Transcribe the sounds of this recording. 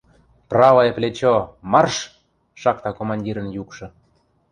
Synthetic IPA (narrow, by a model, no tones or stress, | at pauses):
prɑvoeplʲet͡ɕomɑrʃ | ʃɑkt̪ɑkomɑnʲdʲiɾə̆njukʃɤ̆